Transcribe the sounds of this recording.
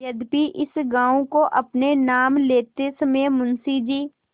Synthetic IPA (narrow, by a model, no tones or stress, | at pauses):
əd̪piʔɪsɡãːõkoʔɐpnenaːmleːt̪esəmẽmʊnsid͡ʒiː